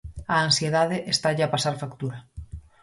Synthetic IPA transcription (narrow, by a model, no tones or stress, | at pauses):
aːnsjeðaðeʔest̪aʎeapasaɾfakt̪uɾa